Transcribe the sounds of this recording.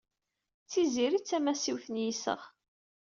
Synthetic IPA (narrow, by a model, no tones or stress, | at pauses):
t͡sːiziɾit͡sːæmæsiwθənjisə̰ʁ